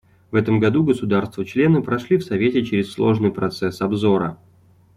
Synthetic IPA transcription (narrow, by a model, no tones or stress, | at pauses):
vɛt̪əmɡɐd̪uɡəsʊd̪arst̪vət͡ɕlʲe̞nɨpɾɐʂlʲifsɐvʲetʲɪt͡ɕɪɾʲɪslˠo̞ʐnɨjpɾɐt̪sɛsɐbzo̞ɾə̰